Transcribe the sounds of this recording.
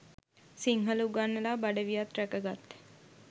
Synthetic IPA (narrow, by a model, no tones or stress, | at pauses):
siŋɦəluɡanːəlaːbaɖəʋijat̪ɾækəɡat̪ː